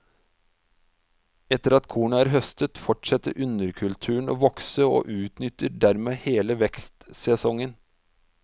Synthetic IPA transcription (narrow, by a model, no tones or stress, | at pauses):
ɛt̪əɾɑt̪kʰuːɳəæːɾɦœst̪ət̪fɔʈʂɛt̪ːə̰ɾʔʉnəɾkʰʉlt̪ʰʉːɳ̩o̰ːʋɔksəo̰ːʔʉːt̪nʏt̪əɖæɾmeːheːləʋɛkst̪sɛsɔŋən